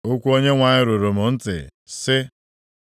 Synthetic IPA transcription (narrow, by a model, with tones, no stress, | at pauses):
o˦kʷu˦o˦ɲe˦ŋʷa˨ɲɪ˦ɾo˨ɾo˨mʊ˨n̩˦tɪ̰˨sɪ˦